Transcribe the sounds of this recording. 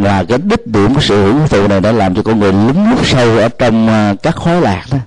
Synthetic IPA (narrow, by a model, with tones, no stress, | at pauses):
maː˨˩kaː˨˦j̚ɗi˦˥k̚ɗḭ˧˩˨əkɔː˨˦jsɨ̰˧˨hḭ˧˨əwi˨˦t̪ṵ˧˨na˨˩jɗa̰ː˧˥laː˨˩mt͡ɕɔ˧kɔ˧nŋɨ˨˩əjlɨ˨˦ŋlu˦˥p̚sə˧wʔəː˧˩t͡ɕɔ˧wŋ͡mkaː˦˥kxɔ˨˦jlaː˨˩k̚na˨˦